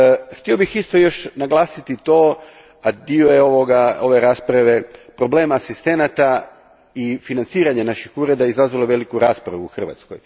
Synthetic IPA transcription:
xt̪io̞bixist̪o̞jo̞ʃnaɡlˠaːsit̪it̪o̞ | ad̪iojeoʋoɡao̞ʋe̞ɾaːspɾaʋe̞pɾo̞ble̞ːmaːsist̪e̞nat̪a | ifinant̪siːɾaɲanaʃixuːɾe̞d̪aizazʋalˠoʋe̞likuɾaːspɾaʋuuxr̩ʋa̰t̪sko̰j

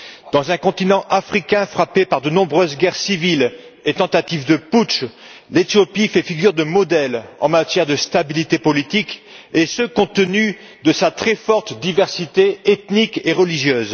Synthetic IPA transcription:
d̪̥ɑ̃zɛ̃kɔ̃t̪inɑ̃ʔafχikʲɛ̃fχapepaʁd̪ənɔ̃bʁøzɡʲɛʁsivil | et̪ɑ̃t̪at̪ifd̪əpuʃ | let̪jɔpifɛfiɡʲyʁd̪əmɔd̪ɛlɑ̰̃mat̪jɛʁd̪əst̪abilit̪epɔlit̪ikesəkɔ̃t̪əny | d̪əsat̪χɛfɔʁt̪d̪ivɛʁsit̪eet̪nikeʁəliʒjøːz

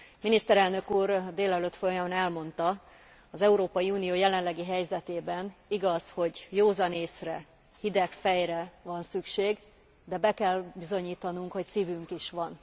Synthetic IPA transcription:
minist̪ɛɾɛlnø̞kuːrd̪eːlɛløt̪fojɒmonɛlmo̞nt̪ɒ | ɒzɛuɾoːpɒjiuːnijoːjɛlɛnlɛɡiɦɛjzɛt̪eːbɛniɡɒzho̞ɟjoːzɒneːsrɛ | hid̪ɛkfɛjrɛvɒnsykʃeːɡ | d̪ɛbɛkɛlbizo̞ɲiːt̪ɒnuŋkho̞csiːvyŋkiʃʋɒn

